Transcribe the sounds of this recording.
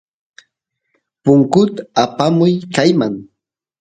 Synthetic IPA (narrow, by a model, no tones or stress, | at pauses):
pʊŋkʊt̪aapamʊjkajmaŋ